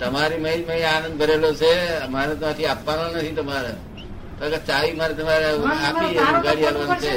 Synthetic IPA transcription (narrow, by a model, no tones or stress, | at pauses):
t̪əmaɾiməiməĩanə̃nd̪̚kəɾelot͡ʃʰemanet̪mat̪ʰiapʋanonət̪ʰit̪əmaɾa | kəkət͡ʃaʋimaɾet̪əmaɾeaied̪əɡaɽialʋant͡ʃʰe